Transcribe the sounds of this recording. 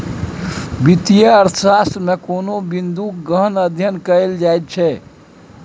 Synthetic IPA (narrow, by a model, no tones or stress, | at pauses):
bit̪ijəəɾt̪sasmekonobind̪ukɡəɦənəd̪ʱjənkəeld͡ʒajt̪̚t͡ʃʰɛ